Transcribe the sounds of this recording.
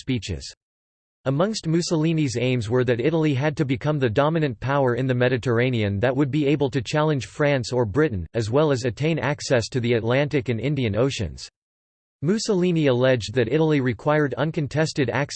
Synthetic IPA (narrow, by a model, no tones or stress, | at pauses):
spit͡ʃɪ̰z̥ | əmʌ̃ŋst̚mʉsəlˠĩnizẽɪ̃mzwə˞ðɨɾɪɾl̩ˠiɨd̚tɨbɨkʰʌ̃mðɨdɑmɨnɨ̃npʰaʊə˞ɨ̃nðɨmɛɾɨtʰə˞ẽɪ̃niɨ̃nðɨʔ̚wɨd̚bieɪbəl̩ˠtʰɨt͡ʃʰælˠɨ̃nʒ̥fɹæ̃nsə˞bɹɪʔn̩ɨzwɛlˠəzɨtʰẽɪ̃næksɛstʰɨðiɨtˡlæ̃ntɨkɨ̃nɪ̃ndiɨ̃noʊʃɨ̰̃nz̥ | mʉsəlĩniɨlɛd͡ʒ̚ðɨɾɪɾl̩ˠiɹɨkʰw̥aɪə˞ɾʌ̰̃nkɨ̃ntʰɛstɨɾæ̰k